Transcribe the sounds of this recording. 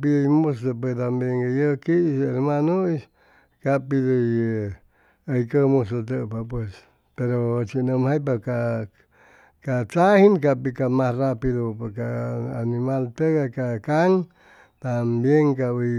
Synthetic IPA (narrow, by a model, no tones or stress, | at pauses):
pidəjmusəp̬ət̪̬ambjeŋajəkiseɾmanos | kapidəj | əjkəmusot̪̬əʔpapwes | peɾot͡ʃinəmhajpaka | kat͡sahinkapikamasrapiðopokaanimalt̪əkakakaŋ | t̪ambjeŋkabə